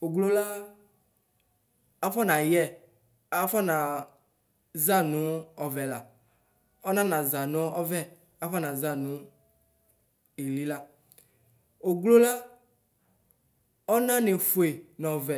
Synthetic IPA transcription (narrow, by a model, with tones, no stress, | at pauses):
o˨ɡlo˦la˦ | a˦fɔ˦nã˨jɛ˦ | a˦fɔ˦nã˨ | za˦˨nũ˦ɔ˨vɛ˨la˨ | ɔ˦nã˦nã˨za˨nɔ̃˦ɔ˦vɛ˦ | a˦fɔ˦nã˨za˦nũ˨˦ | e˨li˦la˦ | o˨ɡlo˦la˦ | ɔ˦nã˦ne˨fo˨e˨nɔ̃˨vɛ˨